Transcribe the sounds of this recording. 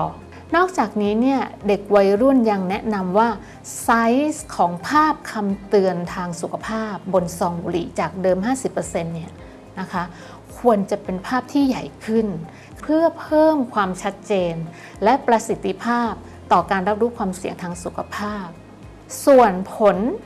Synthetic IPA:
nɔː˥˩k̚t͡ɕaː˨˩k̚niː˦˥ni˥˩ɐde˨˩k̚wa˧jɾu˥˩nja˧ŋnɛ˦˥ʔna˧mwaː˥˩ | sa˦˥jskʰɔː˩˦ŋpʰaː˥˩p̚kʰa˧mt̪ɯ˧ənt̪ʰaː˧ŋsu˨˩kʰa˧pʰaː˥˩p̚bo˧nsɔː˧ŋbṵ˧ɾḭ˨˩t͡ɕaː˨˩k̚dɤː˧mɦaː˥˩si˨˩pːɤː˧se˧nːi˥˩ɐ | na˦˥kʰa˦˥ | kʰu˧ənt͡ɕa˨˩pe˧npʰaː˥˩p̚t̪ʰiː˥˩ja˨˩jkʰɯ˥˩n | ppʰɯ˥˩ɐpʰɤː˥˩mkʰwaː˧mt͡ɕʰa˦˥t̪̚t͡ɕeː˧n | lɛ˦˥pɾa˧si˨˩˦t̪ʰːi˧pʰaː˥˩p̚ | t̪ɔː˨˩kaː˧nɾa˦˥p̚ɾuː˦˥kʰwaː˧msi˨˩˦əŋt̪ʰaː˧ŋsu˨˩kʰa˧pʰaː˥˩p̚ | su˨˩ənpʰo˨˦n

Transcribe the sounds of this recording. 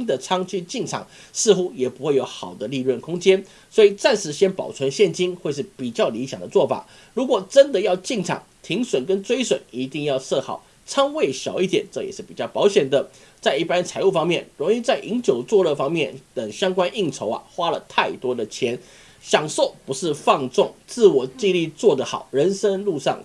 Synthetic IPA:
d̪ə˨t͡sʰɑ˥ŋt͡ɕy˥˧t͡ɕi˥˩ŋʈ͡ʂʰɑ̰˨˩˦ŋ | sɹ̩˥˧xu˥jɛ˨˩pu˧˥xwe˥˩ɪjo˧˥ʊxɑ˨˩ʊd̪ə˦li˥˧lwə˥˩nkʰʊ˥ŋt͡ɕjɛ˥n | swɔ˧˥i˨˩t͡sa˥˩nʂɻ̩˧˥ɕjɛ˥npɑ˨˩ʊt͡sʰwə˧˦nɕjɛ˥˨˩nt͡ɕi˥nxwe˥˧ɪʂ̬ɻ̩˥˩pi˨˩t͡ɕjɑ˥˩ʊli˧˥ɕjɑ˨˩ŋd̪ə˦t͡swɔ˥˩fa̰˨˩˦ | ɻu˧˥kwɔ˨˩ʈ͡ʂə˦˥nd̪ə˨jɑ˥˧ʊt͡ɕi˥˩ŋʈ͡ʂʰɑ̰˨˩˦ŋt̪ʰi˧˥ŋswə˨˩nkə˦nt͡swe˥ɪswə˨˩˦ni˧˥t̪i˥˧ŋjɑ˥˧ʊsɤ˥˧xɑ̰˨˩˦ʊ | t͡sʰɑ˥ŋwe˥˩ɪɕjɑ˨˩ʊi˥˩t̪jɛ̰˨˩˦nʈ͡ʂɤ˥˧˨jɛ˨˩ʂɻ̩˥˩pi˨˩t͡ɕjɑ˥˩ʊpɑ˧˥ʊɕjɛ˨˩nd̪ə˦ | t͡sa˥˧ɪi˥˩pa˥nt͡sʰa˨˧˥ɪu˥˩fɑ˥ŋmjɛ˥˩nɻʊ˧˥ŋi˥˧t͡sa˥˩ɪʔi˧˥ŋt͡ɕjo˨˩ʊt͡swɔ˥˧lə˥˧˩fɑ˥ŋmjɛ˥˩nt̪ə˨˩ŋɕjɑ˥ŋkwa˥nʔi˥˩ŋʈ͡ʂʰo˧˥ʊɐ̰˨xwa˥lə˨t̪ʰa˥˩ɪt̪wɔ˥d̪ə˨t͡ɕʰjɛ˧˥n | ɕjɑ˨˩ŋso˥˩ʊpu˧˥ʂɻ̩˥˧fɑ˥˧ŋt͡sʊ˥˩ŋt͡sɹ̩˥˩wɔ˨˩t͡ɕi˥˧li˥˧t͡swɔ˥˩d̪ə˩xɑ̰˨˩ʊɻə˧˥nʂə˥nlu˥˧ʂɑ̰˥˩ŋ

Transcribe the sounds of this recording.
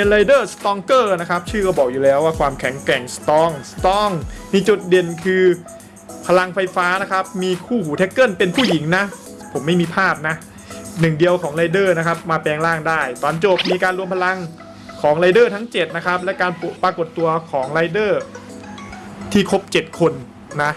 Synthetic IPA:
pe˧nla˧jdɤː˥˩st̪ɔː˧˥ŋkɤː˥˩na˦˥kʰa˦˥p̚t͡ɕʰɯː˥˩kɔ˥˩bɔː˨˩k̚juː˨˩lɛː˦˥waː˥˩kʰwaː˧mkʰɛ˩˦ŋklɛ˨˩ŋst̪ɔː˧˥ŋst̪ɔː˦˥ŋmiː˧t͡ɕu˨˩t̪̚de˨˩nkʰɯː˧ | pʰa˧la˧ŋfa˧jfaː˦˥na˦˥kʰa˦˥p̚miː˧kʰuː˥˩huː˨˩t̪ʰe˦˥kːɤ˥˩npe˧npʰuː˥˩ji˩˦ŋna˦˥ | pʰo˩˦mːa˥˩jmiː˧pʰaː˥˩p̚na˦˥ʔ | nɯ˨˩ŋdi˧əwkʰɔː˩˦ŋla˧jdɤː˥˩na˦˥kʰa˦˥p̚maː˧pɛː˧ŋlaː˥˩ŋdaː˥˩jt̪ɔː˨˩nt͡ɕo˨˩p̚miː˧kaː˧nɾu˧əmpʰa˧la˧ŋ | kʰɔː˩˦ŋla˧jdɤː˥˩t̪ʰa˦˥ŋt͡ɕe˨˩t̪̚na˦˥kʰa˦˥p̚lɛ˦˥kaː˧npɾaː˧ko˨˩t̪ːu˧ɐkʰɔː˩˦ŋɾa˧˥jdɤː˥˩ | t̪ʰiː˥˩kʰo˦˥p̚t͡ɕe˨˩t̪̚kʰo˧nː | a˦˥ʔ

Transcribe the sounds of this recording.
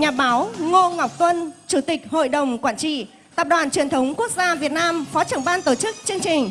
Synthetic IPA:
ɲaː˨˩ɓaː˨˦wŋo˧ŋa˨˩wk͡p̚t̪wə˧nt͡ɕu˧˩t̪ï˨˩k̚ho̰˧˨jɗə˨˩wŋ͡mkwaː˧˩nt͡ɕḭ˧˨ | t̪aː˨˩p̚ɗwaː˨˩nt͡ɕwi˨˩ənt̪ʰə˨˦wŋ͡mku˦˥ək̚zaː˧vi˨˩ət̚naː˧mfɔ˨˦t͡ɕə˧˩ŋɓaː˧nt̪o˧˩t͡ɕɨ˦˥k̚t͡ɕɨ˧əŋt͡ɕï˨˩ŋ̟

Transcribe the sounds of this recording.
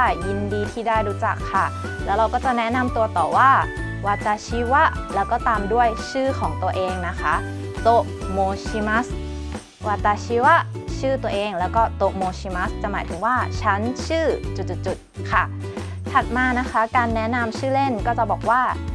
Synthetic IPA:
ji˧ndiː˧t̪ʰiː˥˩daː˥˩jɾuː˦˥t͡ɕa˨˩kʰːa˥˩ | lɛː˦˥wɾa˧wkɔː˥˩t͡ɕa˨˩nɛ˦˥na˧mt̪u˧ɐt̪ɔː˨˩waː˥˩ | waː˧t̪ːaː˧t͡ɕʰi˦˥wa˦˥ʔlɛː˦˥wkɔː˥˩t̪aː˧mdu˥˩əjt͡ɕʰɯː˥˩kʰɔː˩˦ŋt̪u˧ɐʔeː˧ŋna˦˥kʰa˦˥ | t̪o˧˩ | moː˧t͡ɕʰi˦˥ma˦˥s | waː˧˩t̪aː˧t͡ɕʰi˦˥wa˦˥ʔt͡ɕʰɯː˥˩t̪u˧ɐʔeː˧ŋlɛː˦˥wkɔː˥˩t̪o˨˩ʔmoː˧t͡ɕiː˧˥ma˦˥st͡ɕa˨˩maː˩˦jt̪ʰɯ˩˦ŋwaː˥˩t͡ɕʰa˦˥nt͡ɕʰɯː˥˩t͡ɕu˨˩t̪̚t͡ɕu˨˩t̪̚t͡ɕːu˨˩t̪̚kʰa˥˩ | p̪ʰa˨˩t̪̚maː˧na˦˥kʰa˦˥kaː˧nːɛ˦˥na˧mt͡ɕʰɯː˥˩le˥˩nkɔː˥˩t͡ɕa˨˩bɔː˨˩k̚waː˥˩

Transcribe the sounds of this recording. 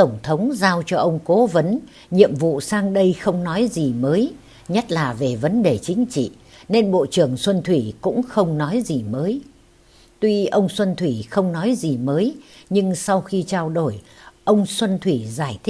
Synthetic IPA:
t̪ə˧˩wŋ͡mt̪ʰə˨˦wŋ͡mzaː˧wt͡ɕɔ˧ʔə˧wŋ͡mko˨˦və˨˦n | ɲḭ˧˨əmvṵ˧˨saː˧ŋɗə˧jxə˧wŋ͡mnɔ˨˦jzi˨˩məː˨˦j | ɲə˦˥t̚laː˨˩ve˨˩və˨˦nɗe˨˩t͡ɕï˨˦ŋ̟t͡ɕḭ˧˨ | ne˧nɓo̰˧˨t͡ɕɨ˧˩əŋswə˧nt̪ʰwi˧˩kʊ̰˧˥ŋ͡mxə˧wŋ͡mnɔ˨˦jzi˨˩məː˨˦j | t̪wi˧ʔə˧wŋ͡mswə˧nt̪ʰwi˧˩xə˧wŋ͡mnɔ˨˦jzi˨˩məː˨˦jɲɨ˧ŋsa˧wxi˧t͡ɕaː˧wɗo˧˩jʔə˧wŋ͡mswə˧nt̪ʰwi˧˩zaː˧˩jt̪ʰi˦˥

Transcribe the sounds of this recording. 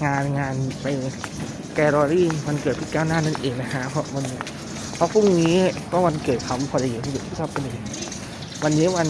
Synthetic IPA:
ŋaː˧nŋaː˧npa˧j | kɛː˧ɾɔː˧ɾiː˥˩ma˧nkɤː˨˩t̪̚pʰi˦˥˩kaː˧˥˩wnaː˥˩˨na˥˩nʔeː˨˩ŋla˦˧˩kʰa˦˥pʰɔ˦˥˩ma˧n˦ | pʰɔ˦˧˥pʰu˥˩ŋniː˦˥pʰɔ˧˥˩ma˧nkɤː˨˩t̪̚kʰa˧m˧pʰɔː˧da˧jiː˨˩ma˧kɤː˨˩t̪ʰu˧˥˩sɔ˧˩pːa˧nʔiː˨˩ | wa˧nːi˦˥˨wa˧n

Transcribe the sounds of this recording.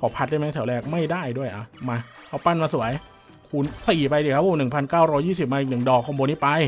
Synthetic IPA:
kʰɔː˨˩˦pʰa˦˥daː˧˥˩ma˦˥t̪ʰɛ˩˦wlɛː˧˩k̚ma˥˩jdaː˥˩jdu˥˩əjʔa˧˩maː˧ | kʰa˦˥˩wpa˥˩nmaː˧su˩˦əj | kʰu˧nsi˨˩pa˧jiː˨˧˩kʰa˦˥p̚ːʰu˧˩nɯ˨˩ŋpʰa˧nkaː˥˩wɾɔː˦˥jːiː˥˩s̬i˨˩p̚ma˧i˨˩k̚nɯ˨˩ŋdɔː˨˩k̚ʰːo˧boː˧ni˦˥˩pa˧j

